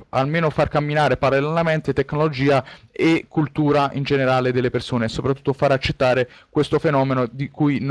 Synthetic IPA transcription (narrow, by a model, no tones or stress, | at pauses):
a̰lmeːnofarkamːinaːɾepaɾalelanament̪et̪ekːnolod͡ʒiːaekʰːult̪uːɾaind͡ʒeneɾaːled̪elːepersoːneːsːopɾat̪ːu̥t̪ːofaɾat͡ʃːet̪ːaːɾekwest̪ofenɔːmenod̪ikujn